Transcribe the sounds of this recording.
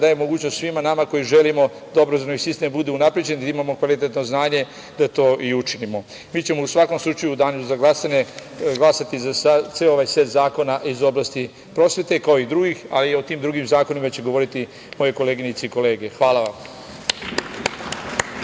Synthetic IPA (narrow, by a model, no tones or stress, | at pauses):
d̪aːjemo̞ɡuːt͡ɕnost̪sʋimanamako̞jiʒe̞limo̞ | d̪aobɾazonisist̪embud̪eunapɾid͡ʑe̞nid̪aimamo̞kʋalit̪et̪no̞znaːɲe̞ | d̪at̪o̞ːʔiut͡ʃinimo̞ | miːt͡ɕe̞mo̞usʋako̞mslˠut͡ʃajud̪aːnuzaɡlasaɲe | ɡlˠasat̪izasat̪seooʋajset̪zaːko̞naʔizo̞blast̪i | pɾo̞ːsʋe̞t̪e̞kaoid̪ɾuɡixaliot̪iːmd̪ɾuɡimzaːko̞nimat͡ɕe̞ɡo̞ʋo̞ɾit̪i | mo̞je̞ko̞leɡinɲit̪seiko̞le̞ːɡe̞xʋaːlˠaʋam